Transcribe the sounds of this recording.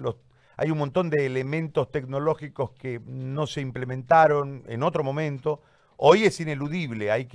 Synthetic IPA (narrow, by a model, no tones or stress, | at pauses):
lo | a̰junmont̪o̞nd̪eːlemẽ̞nt̪o̞st̪e̞ɡ̚no̞lo̞xiko̞skeno̞se̞implemẽnt̪aɾo̞nḛnot̪ɾo̞mõ̞mẽnt̪o̞ | oje̞sine̞luðiβ̞leajk